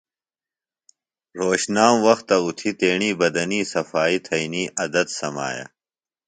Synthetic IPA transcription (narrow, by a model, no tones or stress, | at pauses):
ɾoːɕnaːmwɐxt̪ːɐut̪ʰit̪eːɳiːbɐd̪ɐniːsɐfaːit̪ʰɐiniːʔɐd̪ɐd̪sɐma̰ːja̰